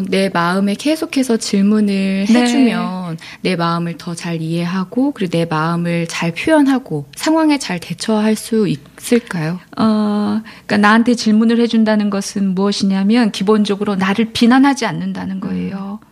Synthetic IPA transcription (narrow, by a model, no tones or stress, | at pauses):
ne̞maɯme̞ke̞sʰokʰe̞sʰʌt͡ɕiɭmunɯɭhned͡ʑumjʌnː | e̞maɯmɯɭtʌt͡ɕaɾie̞ɦaɡ̥okɯɾɡone̞maɯmɯɭt͡ɕaɭpʰjojʌnɦaɡ̥osʰaŋɦwaŋe̞t͡ɕaɭte̞t͡ɕʰʌɦaɭs͈ui | s͈ɯɭk͈ajoʌik͈anaɦantʰe̞t͡ɕiɭmunɯɭhed͡ʑundanɯnɡʌsʰɯnmuʌɕʰiɲamjʌnkibond͡ʑʌɡɯɾonaɾɯɭpinanɦad͡ʑianːɯndanɯnɡʌe̞jo